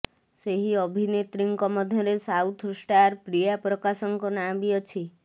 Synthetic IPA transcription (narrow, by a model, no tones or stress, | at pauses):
seɦiɔbʱinet̪ɾiŋkɔmɔd̪ʱjɔɾesawt̪ʰsʈaɾpɾijapɾɔkasɔŋkɔnabiɔt͡ʃʰi